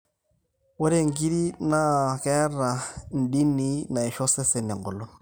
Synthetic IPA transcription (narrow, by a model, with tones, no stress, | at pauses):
wɔ˦ɾe˦˨ŋ̩˦˨ɡi˦ɾi˦na˦kɛ˦ra˨n̩˨di˦ni˦na˨ɪ˨ʃɔ˦sɛ˦sɛ˨nɪ˨ŋ˨ɡʊ˨lɔ˦n